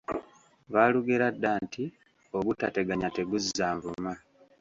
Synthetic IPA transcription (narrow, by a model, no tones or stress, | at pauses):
βaːluɡeɾadːaːntʰi | o̞βutate̞ɡaɲate̞ɡuzːaːɱvuma